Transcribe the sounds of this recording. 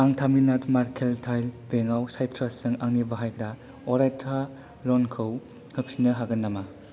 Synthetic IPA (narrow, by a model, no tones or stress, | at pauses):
aŋtʰaminatmaɾkʰeltʰajlbeŋawsajtʰɾasɯŋaŋnibaɦajkʰɾa | ɔɾajtʰa | lɔnkʰɯw | ŋɯp̚sinɯɦaɡɐnːama